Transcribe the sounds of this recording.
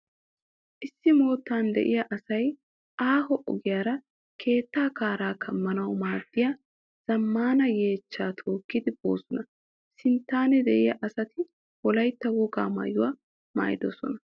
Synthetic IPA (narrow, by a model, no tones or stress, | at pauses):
ʔɪsːɪmo̞ːt̪ːaːnd̪ɛ̰ʔɪjɐʔɐsɐj | ʔaːɦɔʔɔ̰ɡɪjaːɾɐ | kʰe̞ːt̪ːaːkaːɾaːkɐmːɐnɐwmaːd̪̥ːɪja | z̥ɐmːaːnɐje̞ːt͡ʃːaːt̪ʰo̞ːkːɪd̪ɪbo̰ːsɔnɐ | sɪnt̪ːaːnɛd̪ɛʔɪjɐʔɐsɐt̪ɪ | wɔlɐjt̪ːɐwɔɡa̰ːma̰jʊwa | ma̰ːjd̪ɔsɔ̰nɐ